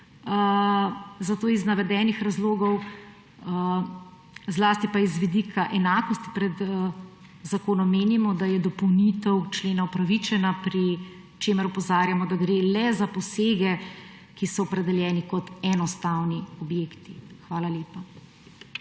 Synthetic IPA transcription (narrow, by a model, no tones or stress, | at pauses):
zat̪oːiznaʋɛd̪ɛːnixɾazloːɡɔw | zlaːst̪ipaizʋid̪ikʰaʔɛnaːkɔst̪i̥pɾɛd̪ | zakoːnɔmːeːnimɔd̪ajɛd̪ɔpɔwnit̪ɛwt͡ʃleːnaɔpɾaʋit͡ʃɛnapɾi | t͡ʃeːməɾɔpɔzaːɾjamɔd̪aɡɾeːlɛzapɔseːɡɛ | kisɔːpɾɛd̪ɛljɛːnikɔt̪ɛnɔst̪awniɔbjeːkt̪ixʋaːlaleːpa